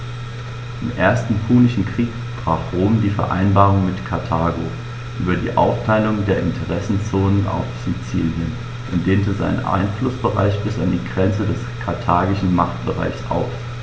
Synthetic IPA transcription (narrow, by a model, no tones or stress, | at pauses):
ʔɪmʔeːɐstn̩pʰuːnɪʃn̩kʁ̥iːk | b̥ʁ̥aːfʁoːmdiːfɛɐʔa̰ɪnbaːʁʊŋmɪtkʰaɐtʰaːɡo | ʔyːbɐdḭːʔa̰ʊftʰaɪlʊŋdeːɐʔɪntʰəʁɛsn̩t͡soːnənʔa̰ʊfz̥it͡siːljən | ʔʊntd̥eːntəza̰ɪnə̰nʔa̰ɪnflʊsb̥əʁa̰ɪçb̥ɪsa̰ndiːɡʁɛnt͡sədɛskʰaɐtʰaːɡɪʃn̩maχtb̥əʁa̰ɪçsʔa̰ʊf